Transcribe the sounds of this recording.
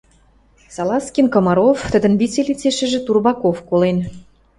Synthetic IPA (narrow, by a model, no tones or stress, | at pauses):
sɑlˠɑskʲinkɑmɑɾoft̪ə̆d̪ə̆nβit͡selʲit͡seʃə̆ʒĕt̪urβɑkofkolen